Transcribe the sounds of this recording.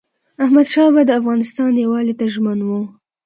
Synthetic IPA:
ahmad̪ʃɑbad̪əafɣɑnɪst̪ɑnjawɑlet̪aʒmanwu

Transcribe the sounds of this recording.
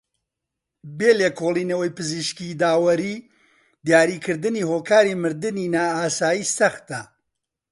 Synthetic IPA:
beːleːkʰolˠiːnɐwɐjpɨziʃkid̪aːwɐɾiː | d̪jaːɾiːkʰɨɾd̪ɨnihoːkaːɾimɨɾd̪ɨninaːaːsaːjiːsɐxt̪ɐ

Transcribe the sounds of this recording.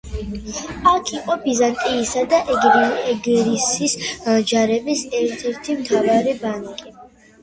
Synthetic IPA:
akʰiqʼɔbizant̪ʼiːsad̪aʔɛɡɾinɛɡɾisisd͡ʒaɾɛbisɛɾt̪ʰɛɾt̪ʰimt̪ʰavaɾɛbanakʼi

